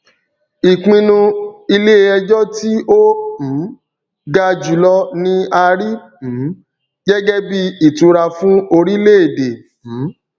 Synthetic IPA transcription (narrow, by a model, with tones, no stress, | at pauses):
i˨k͡pĩ˧nũ˧i˧le˦e˧ɛ˧d͡ʒɔ˦ti˦õ˦˨˦ | ɡa˧d͡ʒu˨lɔ˦nĩ˧a˧ɾĩ˦˨˦ | ɡɛ˦ɡɛ˦bi˦i˦˨tũ˨˧ɾa˧fũ˦o˧ɾi˦le˦e˨de˨fũ˨˦